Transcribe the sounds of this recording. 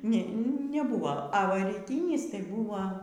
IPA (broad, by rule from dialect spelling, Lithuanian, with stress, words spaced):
nʲɛ nʲɛˈbʊʋɐ ɐ ˈʋɐ rʲiːˈtʲiːnʲɪs tɐɪ ˈbʊʋɐ